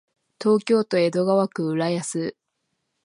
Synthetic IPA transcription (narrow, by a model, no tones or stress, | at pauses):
t̪o̞ːkʲo̞ːt̪o̞e̞d̪o̞ɡaβakɯ̟ɯɾajasɨ